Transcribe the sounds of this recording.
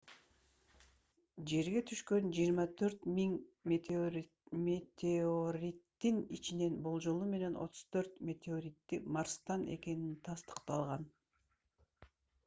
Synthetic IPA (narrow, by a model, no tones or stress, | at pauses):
d͡ʒe̞ɾɡe̞t̪ʰyʃkø̞nd͡ʒijːɾmɑt̪ʰø̞ɾt̪miŋmʲet̪ʲoɾ | met̪ʲʰeoɾʲit̪ːinit͡ʃine̞nbo̞lˠd͡ʒolˠume̞ne̞no̞̰t̪ʰu̥z̥t̪ʰø̞ɾt̪mʲe̞t̪ʲeoɾʲit̪ːimɑɾst̪ɑnʔe̞̰ke̞nint̪ʰɑst̪ə̥qt̪ɑlˠʁɑn